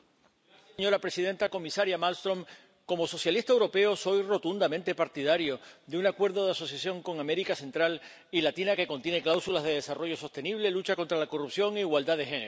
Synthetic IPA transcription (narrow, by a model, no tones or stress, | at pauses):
ɲo̞ɾapɾe̞siðe̞nt̪ako̞misaɾjamalst̪ɾo̞m | ko̞mo̞so̞sjalist̪aewɾo̞pe̞o̞so̞jro̞t̪und̪amẽnt̪e̞paɾt̪iðaɾjo̞d̪eunakwe̞ɾðo̞ðeaso̞sjasjo̞ŋko̞ŋame̞ɾikase̞nt̪ɾal | ilat̪inake̞ko̞nt̪je̞ne̞klawsulazðe̞ð̞esaro̞ʝo̞so̞st̪e̞niβ̞le̞lut͡ʃako̞nt̪ɾalako̞rupsjo̞ŋeiɣwald̪aðe̞xene